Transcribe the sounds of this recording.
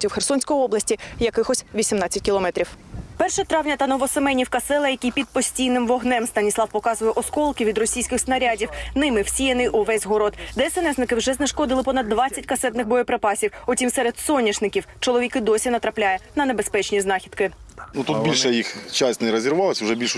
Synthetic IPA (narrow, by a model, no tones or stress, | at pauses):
tʲiwxersɔnʲsʲkɔjiɔblɐsʲtʲijɐkɪxɔsʲʋʲisʲimnɑt͡sʲːɐt̚ʲkʲilˠɔmɛt̪ɾʲiwpɛrʃɛt̪ɾɑʋnʲɐt̪ɐnɔʋɔsemɛnʲiwkɐsɛlˠɐjɐkʲijpʲid̪̚pɔsʲtʲijnɪmʋɔɦnɛmst̪ɐnʲisˠɑwpɔkɑzʊjɛʔɔskɔlˠkɪʋʲid̪rɔsʲijsʲkɪxsnɐɾʲadʲiwnɪmɪwsʲijɐnɪjʔʊʋɛzʲɦɔɾɔt̪d̪ɛːsɛnɛsznɪkɪwʒɛznɐʃkɔd̪ɪlˠɪpɔnɐd̪ːʋɑt͡sʲːɐtʲkɐsɛt̪nɪxbɔjɔpɾepɑsʲiwɔtʲimsɛɾed̪sɔnʲːiʃnɪkʲiwt͡ʃɔlˠɔʋʲikɪd̪ɔsʲinɐt̪ɾɐplʲajɐnɐnebespɛt͡ʃnʲiznɑxʲid̪kɪnut̪ut̪bilʲʃɛjixt͡ʃasʲtʲnɛɾɔzʲɪɾʋɑlˠɪsʲʊʒɛbʲilʲʃʊ